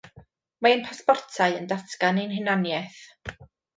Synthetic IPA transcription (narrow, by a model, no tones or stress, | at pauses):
maənpʰaspɔrtʰaɨəndatʰkaninɦɪnanjɛθ